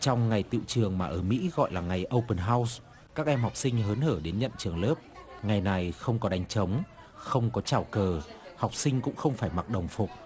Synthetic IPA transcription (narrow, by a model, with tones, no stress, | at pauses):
t͡ɕɔ˧wŋ͡mŋa˨˩jt̪ḭ˧˨wt͡ɕɨ˨˩əŋmaː˨˩ʔəː˧˩mḭ˧˥ɣɔ̰˧˨jlaː˨˩ŋa˨˩jʔə˧wpə˨˩nɦaː˧ws | kaː˦˥k̚ʔɛ˧mɦa˨˩wk͡p̚sï˧ŋ̟ɦəː˨˦nhəː˧˩ɗe˨˦nɲə̰˧˨nt͡ɕɨ˨˩əŋləː˦˥p̚ŋa˨˩jna˨˩jxə˧wŋ͡mkɔ˨˦ɗa˨˦jŋ̟t͡ɕə˨˦wŋ͡m | xə˧wŋ͡mkɔ˨˦t͡ɕaː˧˩wkəː˨˩hɔ˨˩wk͡p̚sï˧ŋ̟kʊ̰˧˥ŋ͡mxə˧wŋ͡mfaː˧˩jma˨˩t̚ɗə˨˩wŋ͡mfu˨˩k͡p̚